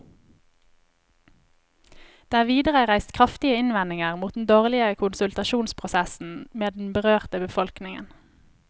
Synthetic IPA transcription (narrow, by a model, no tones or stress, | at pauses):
d̪̥eːæːʋiːd̪əʁəʁæɪst̪kʰʁɑft̪ɪəɪnʋɛnɪŋəʁmuːt̪̚d̪n̩d̪oːʁlɪəkʰʊnsʉlt̪ɑʃuːnspʰʁʊsæsn̩meːd̪n̩bəʁøːʁt̪əbəfɔlknɪŋə̰n